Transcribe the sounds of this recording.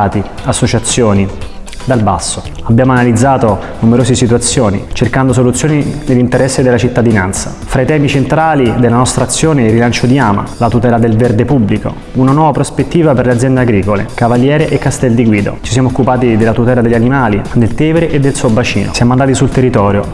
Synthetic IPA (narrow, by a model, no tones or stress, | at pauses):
aːt̪i | asːot͡ʃat̪sːjoːni | d̪albasːo | abjaːmoanalid̪zːaːt̪o | numeɾoːsisit̪uat̪sːjoːnḭt͡ʃerkand̪os̬olut̪sjoːninelːint̪eɾɛsːed̪elːat͡ʃit̪ːad̪inant̪sa̰fɾait̪ɛːmit͡ʃent̪ɾaːlid̪elanɔst̪ɾat̪sːjoːneirːilant͡ʃod̪iaːma̰lat̪ut̪ɛːlad̪elverd̪epubliko̰ | unanwɔːvapɾospet̪ːiːvaperlead̪zjɛnd̪eaɡɾiːkolḛkavaljɛːɾeʔekːast̪ɛld̪iɡwiːd̪o̰t͡ʃis̬jamookːupaːt̪id̪elːat̪ut̪ɛːlad̪eʎːanimaːlid̪elt̪ɛːveɾeʔed̪ːelsuːobat͡ʃḭːno̰sjaːmoand̪aːt̪isult̪erːit̪ɔːɾjo